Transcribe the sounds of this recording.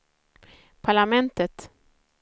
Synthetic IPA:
pʰaɭamɛnt̪ət̪

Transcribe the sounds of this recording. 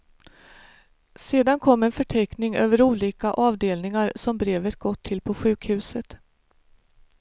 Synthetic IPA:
seːd̪ankʰɔmːɛnfœʈʰɛknɪŋø̰ːvəɾuːliːkaʔɑːvd̪eːlnɪŋaɾsɔmbɾeːvət̪̚ɡɔt̪ʰːɪlpʰɔɧʉ̟ːkhʉ̟ːsət̪

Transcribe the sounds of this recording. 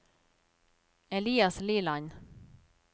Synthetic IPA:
ɛliːasliːlan

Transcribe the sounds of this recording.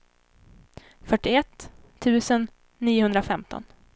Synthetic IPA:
fœʈːɪɛt̪ʰː | ʉ̟ːsənː | iːʊhɵnd̪ɾafɛmt̪ʰɔ̰n

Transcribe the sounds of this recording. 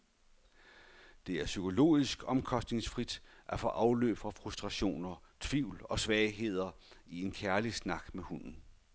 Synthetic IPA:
d̥e̝æɐsykʰo̝lo̝̰ːisɡ̥ɒ̽mkʰɒ̽sd̥ne̝ŋsfʁid̥ʔæfɒ̽ʔɑ̈ʊlø̰ːb̥fʁɑ̈fʁusd̥ʁɑ̈ɕo̝̰ːnɐt͡sʰʋiʊ̰lɒ̽sʋɛːɪɦe̝ð̞̰ˠɐie̝nkʰæɐlisnɑ̈ɡ̥mehun̰n̩

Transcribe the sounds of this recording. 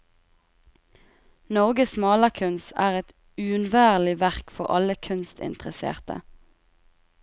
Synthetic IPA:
nɔʁɡəsmɑːləkʰʉnsæːʁɛt̪ | ʉːʉnʋæːʁlɪʋæʁkfɔʁɑ̰ləkʰʉnst̪ɪ̰nt̪əʁəsḛːʁt̪ə̰

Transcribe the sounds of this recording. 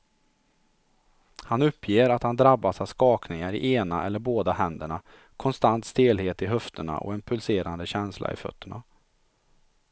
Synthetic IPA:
hanɵpʰːjeːɾat̪hand̪ɾabːasavskɑːknɪŋaɾɪ̰ʔeːnaʔɛlːəɾboːd̪ahɛnd̪əɳa | kʰɔnst̪ant̪st̪eːlheːt̪ɪɦœft̪əɳa̰ʔɔ̰ɛnpʰɵlseːɾand̪əɕɛnslʔa̰ɪ̰fœ̰t̪ʰːəɳa

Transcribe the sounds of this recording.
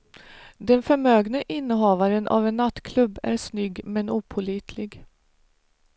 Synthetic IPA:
d̪ɛnfœɾmøːɡnəʔɪnːəɦɑːvaɾənʔa̰vɛnːat̪ːkʰlɵbːæ̰ɾʂnʏɡmɛnuːpʰʊliːt̪ʰlɪɡ

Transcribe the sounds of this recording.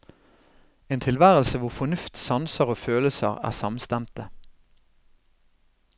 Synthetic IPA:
eːnt̪ʰɪlʋæːʁəlsəʋʊʁfɔnʉft̪sɑnsəʁoːføːləsə̰ʁæ̰ːsɑmst̪æmt̪ə

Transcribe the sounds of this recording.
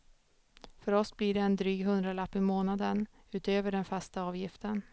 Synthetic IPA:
fœɾɔsblɪɖɛːnd̪ɾyːɡɦɵnd̪ɾalapːɪmoːnad̪ən | ʉ̟ːt̪øːvəɖɛnfast̪aɑːvjɪft̪ən

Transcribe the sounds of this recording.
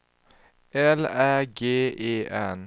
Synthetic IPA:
ɛlæɡeːʔeːʔɛn

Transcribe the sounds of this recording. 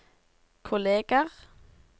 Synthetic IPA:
kʰʊleːɡ̥əʁ

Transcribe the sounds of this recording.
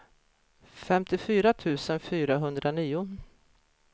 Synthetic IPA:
fɛmt̪ɪfyːɾat̪ʰʉ̟ːsənfyːɾaɦɵnd̪ɾʔaniːʊ

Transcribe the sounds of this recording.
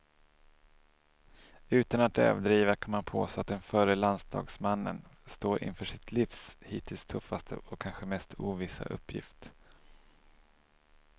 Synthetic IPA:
ʉ̟ːt̪anat̪œ̰ːvd̪ɾiːvakʰɔmanpʰo̰ːsat̪̚d̪ɛnfœɾəlansd̪ɑ̰ːɡsmanːə̰nst̪oːɾʔɪ̰nfœːʂɪt̪ʰlɪfshiːt̪ʰɪlst̪ʰɵfːast̪ʰə̰ʔɔkʰːanɧəmɛst̪ʰuːvɪsa̰ʔɵ̰pʰːjɪ̰ft̪

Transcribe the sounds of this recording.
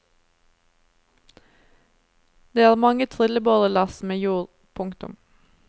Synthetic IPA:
d̪̥eːæːʁmɑŋət̪ʰʁɪləboːʁəlɑsmeːjuːʁ | pʰʊŋkt̪ʊ̰m

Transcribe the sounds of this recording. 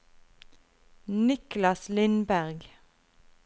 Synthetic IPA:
nɪklɑslɪnbæʁɡ

